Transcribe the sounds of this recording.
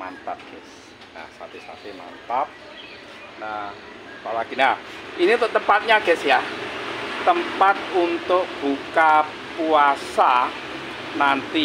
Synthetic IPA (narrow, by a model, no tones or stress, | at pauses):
ma̰nt̪ap̚ɡ̥ɛs | na̰hsa̰t̪esa̰t̪ema̰nt̪ap̚ | nah | apalaɡ̥inahiniunt̪ʊʔt̪əmpat̪̚ɲaɡ̥ɛsja | t̪əmpat̪̚unt̪ʊk̚b̥uka | puasa | nant̪i